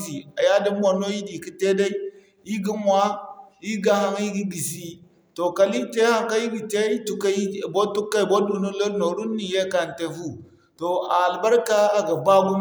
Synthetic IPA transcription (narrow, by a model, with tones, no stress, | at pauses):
si˨a˨ja˦di˦m˦wa˨no˦ji˦di˨ki˦te˦da˦i˦ | i˦ɡi˦mwa˦i˦ɡa˦ha˦ŋi˦ɡi˦bi˨si˦ | to˨ka˨li˦te˦ha˦ŋka˦ji˦ɡi˨te˦i˦tu˨ka˦i˦˨bo˦tu˦kːa˦i˨bo˦du˨nu˦lo˦no˨ɾu˦nːi˨je˦ka˨n˨te˨fu˦ | to˨a˨lba˦ɾka˦a˨ɡa˨ba˦ɡu˦m